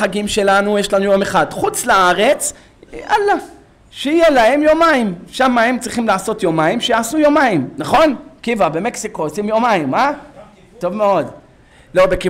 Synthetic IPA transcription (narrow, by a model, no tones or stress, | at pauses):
aɡimʃe̞lanujeʃlanujomeχadχut͡slaaʁe̞t͡s | ʔala | ʃeijelahe̞mjomaimʃamːaemt͡sʁiχimlaːso̞t̪jomaimʃejaːsujomaimnaχo̞nkivabe̞me̞ksiko̞osimjo̞maimːa | to̞vmeo̞d | lo̞beki